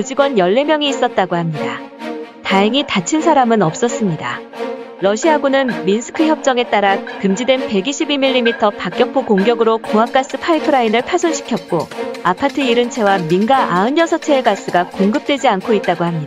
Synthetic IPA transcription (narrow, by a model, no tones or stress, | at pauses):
ud͡ʑiɡwʌnjʌɭːe̞mjʌŋiːs͈ʌt̚t͈aɡohamɲidataɦeŋitat͡ɕʰinsʰaɾamɯnʌp̚s͈ʌs͈ɯmɲida̰ɾʌɕʰiaɡunɯnminsʰɯ̥kʰɯçjʌp̚t͡ɕ͈ʌŋe̞t͈aɾakɯmd͡ʑidwe̞npe̞ɡiɕʰibimiʎːimitʰʌpak͈jʌk̚pʰokoŋɡjʌɡɯɾokoak͈as͈ɯpʰaipʰɯɾainɯɭpʰasʰonɕʰi̥kʰjʌt̚k͈oapʰatʰɯiɾɯnt͡ɕʰe̞waminɡaʔaɯɲʌsʰʌt͡ɕʰeeɡas͈ɯɡakoŋɡɯp̚t͈we̞d͡ʑiankʰoit̚t͈aɡohamɲida